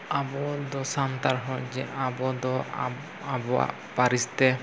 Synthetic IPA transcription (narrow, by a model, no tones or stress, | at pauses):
abɔd̪ɔsant̪aɾɦɔjd͡ʒɛabɔd̪ɔ | abɔa̰ | paɾist̪ɛ